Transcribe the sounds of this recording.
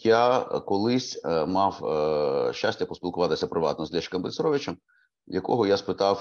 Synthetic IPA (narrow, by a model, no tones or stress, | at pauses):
jakɔlˠɪsʲmɑw | ʃːasʲtʲːɐpɔsʲpʲilˠkʊʋɑt̪ɪsʲɐpɾʔɪʋɑ̰t̪nɔzlʲɛʃɪ̥kɐmblɪsɾɔʋɪt͡ʃɛm | jɐkɔ̰ɦɔjaspɪt̪ɑw